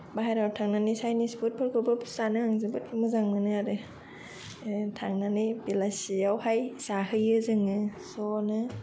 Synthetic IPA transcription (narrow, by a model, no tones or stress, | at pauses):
baɦajɾawtʰaŋnanisajnisput̚pʰɯɾkʰɔbɯsanɯaŋzɯbɯtmɯzaŋmɯnɯaɾɯ | tʰaŋnanɯjbelasiawhajsahɯjɯzɯŋɯsɔnɯ